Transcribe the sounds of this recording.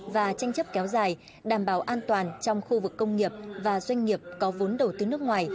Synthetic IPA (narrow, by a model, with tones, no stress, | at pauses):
vaː˨˩t͡ɕa˧jŋ̟t͡ɕə˦˥p̚kɛ˨˦wzaː˨˩j | ɗaː˧˩mɓaː˧˩wʔaː˧nt̪waː˨˩nt͡ɕɔ˧wŋ͡mxu˧vɨ˨˩kːə˧wŋ͡mŋi˨˩əp̚vaː˨˩zwa˧jŋ̟ŋi˨˩əp̚kɔ˨˦vo˨˦nɗə˨˩wt̪ɨ˨˩nɨ˦˥ək̚ŋwaː˨˩j